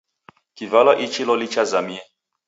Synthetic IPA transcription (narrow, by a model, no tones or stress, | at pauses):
kivalɔʔit͡ʃilɔlit͡ʃazamiɛ